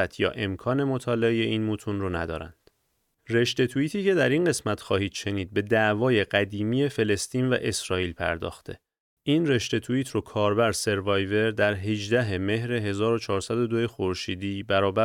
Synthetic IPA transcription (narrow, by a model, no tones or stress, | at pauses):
æt̪ʰjɒ̰ːʔe̞mkʰɒːne̞mot̪ʰɒːleeje̞iːnmuːt̪ʰunronæd̪ɒ̰ːɾæ̰nd̪̥ | re̞ʃt̪e̞t̪ʰuiːt̪ʰiːce̞d̪æɾinɢe̞smæt̪ʰxɒːhiːd̪ʃe̞niːd̪̚be̞d̪æʔvɒːje̞ɢæd̪iːmiːje̞fe̞le̞st̪iːnvæ̰ʔe̞sɾɒːiːlpʰæ̰ɾd̪ɒ̰ːxt̪ʰe̞̰ | ʔiːnre̞ʃt̪e̞t̪ʰuiːt̪ʰrokʰɒːɾbæɾse̞ɾvɒjve̞ɾd̪æɾɦed͡ʒd̪æɦeme̞ɦɾeɦe̞zɒːɾo̞t͡ʃʰɒːɾsæd̪o̞d̪oje̞xoɾʃiːd̪iːbæɾɒːbæ